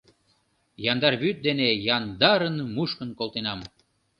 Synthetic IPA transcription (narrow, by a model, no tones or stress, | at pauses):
jɑnd̪ɑrβyt̪̚d̪enejɑnd̪ɑɾənmuʃkənkolˠt̪enɑm